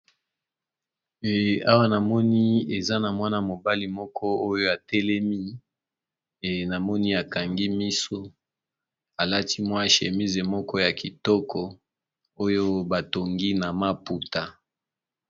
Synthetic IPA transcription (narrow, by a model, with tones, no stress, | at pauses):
a˦wa˦na˨mɔ˦ni˦e˨za˦na˨mwa˦na˨mo˨ba˦li˨mɔ˦kɔ˦o˦jo˦a˨tɛ˦lɛ˦mi˦ | e˨na˨mɔ˦ni˦a˨ka˨ŋɡi˦mi˦so˦ | a˨la˦ti˦mwa˦ʃe˨mi˦ze˨mɔ˦kɔ˦ja˨ki˨tɔ˦kʰɔ˨ | o˦jo˦ba˨to˨ŋɡi˦na˨ma˦pu˨ta˦